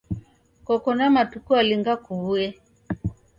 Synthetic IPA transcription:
kɔkɔnamatukualiŋɡakuuɛ

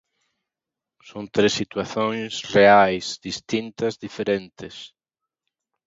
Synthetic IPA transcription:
sõnt̪ɾesːit̪waθõŋsreajsðist̪int̪ɐzðifeɾẽnt̪ɪs

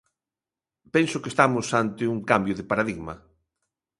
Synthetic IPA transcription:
pensʊkest̪amʊsant̪ɪuŋkambjʊðɪpaɾaðiɣmɐ

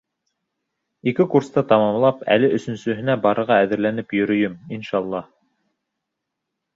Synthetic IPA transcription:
ikɘkurst̪ɑt̪ɑmɑmlˠɑpæ̰lɘɵ̆sɵ̆nsɵ̆ɦɘ̆næbɑɾɤ̆ɾʁɑæðɘ̆ɾlænɘpjɵ̆ɾɵ̆jɘminʃɑlˠːɑh

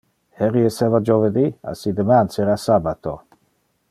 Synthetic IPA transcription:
hɛɾiəsɛvad͡ʒovədia̰sid̪əmaːnsɛɾasabat̪ʰo

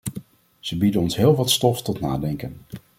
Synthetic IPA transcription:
z̥əbidənɔnsɦɪːlˠʋɑtstɔftɔtna̰ːdɛŋkən

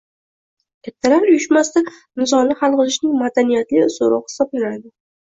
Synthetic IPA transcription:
et̪ʰːɪɾaɾʊjɪʃmast̪a | nɪzɒlɪχalˠqɨlˠɪʃnɪŋmad̪anijat̪lɪsoɾɒhɪ̥sɒblanad̪ɪ

